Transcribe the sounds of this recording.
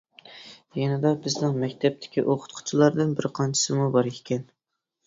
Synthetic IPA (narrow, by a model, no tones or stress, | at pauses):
jinɪd̪ɑbɪznɨŋmɛkʲt̪ʰɛp̚t̪ʰɪ̥kʲiʔoqʰʊ̥t̪qʰʊ̥t͡ʃʰilˠɑɾd̪ɨnbɪɾqʰɑnt͡ʃʰɪ̥sɨmubɑɾkʰʲe̥kʲʰɛn